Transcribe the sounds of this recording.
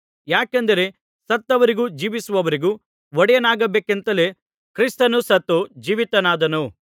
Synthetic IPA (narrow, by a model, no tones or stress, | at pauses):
jaːkɐnd̪ɐɾe̞ | sɐt̪ːɐʋɐɾiɡuːd͡ʒiːʋisuʋɐʋɐɾiɡu | ʋɔɽɛjɐnaːɡɐbeːkent̪ɐle | kɾist̪ɐnusɐt̪ːod͡ʒiːʋit̪ɐnaːd̪ɐnu